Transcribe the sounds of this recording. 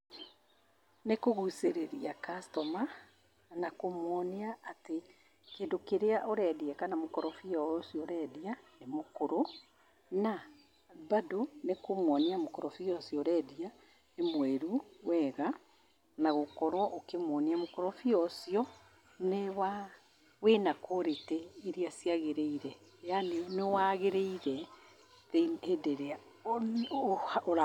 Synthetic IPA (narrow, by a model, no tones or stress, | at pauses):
nekoɣuseɾeɾiakastɔma | nakomwɔniaate | keːndokeɾeaʔoɾɛdiɛkanamokɔɾɔfiɔsiɔɾɛːdianemokoɾo | na | badonekomwɔniamokoɾɔfiɔsiɔɾɛːdia | nemwɛɾuwɛɣa | naɣokɔɾwɔʔokemwɔniamokoɾɔfiɔsiɔ | newa | wenakoɾetɛiɾiasjaɣeɾeiɾɛeanenewaɣeɾeiɾɛ | ɾeedeɾea | oɾ